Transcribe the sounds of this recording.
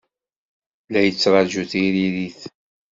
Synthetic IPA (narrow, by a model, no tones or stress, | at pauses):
læjət͡sːɾˤɑʒuθiɾiɾiθ